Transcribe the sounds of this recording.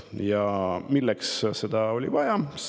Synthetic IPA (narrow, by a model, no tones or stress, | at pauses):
jɑmilːɛksse̞d̪̥ɑo̞lʲḭvɑjɑs